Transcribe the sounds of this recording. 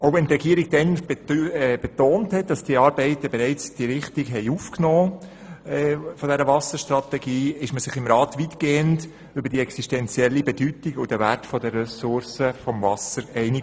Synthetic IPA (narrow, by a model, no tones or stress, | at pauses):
oʊvɛnt̪ɾɛɡiːəɾiɡ̥̚d̥ɛnb̥b̥ɛtoːnthɛt̚d̥ɑsd̥iəɑːɾbɛɪt̪əbɛɾɛɪt͡sd̥iɾɪχtiɡɦɛɪuːfknoː | fɔd̥ɛɾəvɑsəʃtrɑt̪ɛɡiːɪʃməsɪχɪmɾɑːtʋitkeːənt | ʏbəɾd̥iɛksiʃtɛnt͡sjɛlːibɛd̥ytiɡʊd̥əvætfɔdərːɛsʊɾsəfɔmvɑsəɾɛɪni